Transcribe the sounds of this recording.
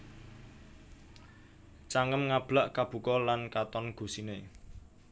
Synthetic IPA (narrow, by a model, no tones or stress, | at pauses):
t͡ʃaŋəmŋab̥laʔkab̥ṳkɔlankat̪ɔnɡ̥ṳsine